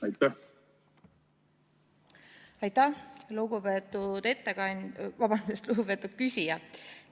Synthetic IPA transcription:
ɑjt̪ːæ | ɑjt̪ːæhluɡ̥ubet̪ːˑud̪̥e̞t̪ːekɑnʲvɑbɑnd̪usest̪luɡ̥upe̞t̪ːˑud̪̥̚kysʲijɑ

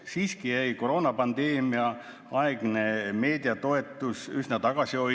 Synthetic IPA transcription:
siːskijæjko̞ɾo̞ːnɑpɑnd̪e̞ːmiɑ | ɑeɡ̥ne̞me̞ːd̪̥iɑt̪o̞e̞t̪ːˑusyɦnet̪ɑɡ̥ɑsio̞j

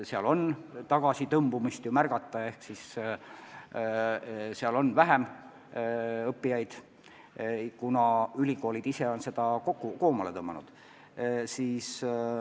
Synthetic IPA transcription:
seɑlo̞nt̪ɑɡ̥ɑsit̪ɤmbumist̪jumærɡ̥ɑt̪ːˑɑe̞hksis | seɑlo̞nvæɦem | ɤpːijɑjd̪̥ | kunɑylʲiko̞ːlid̪ise̞o̞nse̞d̪̥ɑkokːuko̞ːmɑle̞t̪ɤmːɑnud̪̥ | siːs

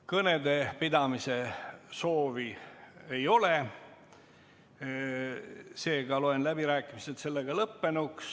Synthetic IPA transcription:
kɤne̞d̪e̞pid̪ɑmise̞so̞ːvie̞jo̞le̞ | se̞ːɡ̥ɑlo̞enlæbiɾæːkːˑimise̞t̪se̞lːe̞ɡ̥ɑlɤpːe̞nuks

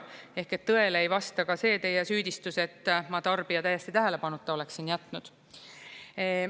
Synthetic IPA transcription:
e̞hket̪ːɤ̞e̞leejvɑst̪ɑkɑse̞ːt̪e̞jesyːd̪̥ist̪use̞t̪ˑːmɑt̪ɑrb̥iɑt̪æjːest̪it̪æɦæle̞pɑnut̪ˑːɑo̞le̞ksinjæt̪ːˑnud̪̥

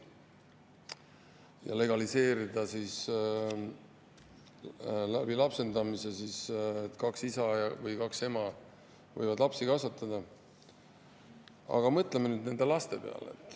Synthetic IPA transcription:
jɑ̰le̞ɡ̥ɑlise̞ːɾid̪ɑsis | læb̥ilɑpse̞nd̪ɑmise̞sist̪ːˑkɑksisɑjɑvɤjkɑkse̞mɑ | vɤ̰jvɑd̪lɑpsikɑsɑt̪ːˑɑd̪̥ɑ | ɑ̰ɡ̥ɑmɤt̪ːˑlemenyːd̪ne̞nd̪e̞lɑst̪e̞pe̞ɑ̰lḛt̪ːˑ

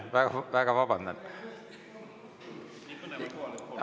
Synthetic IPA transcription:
ʋæɡɑʋæɡ̥ɑʋɑb̥ɑnd̪ɑ̰n

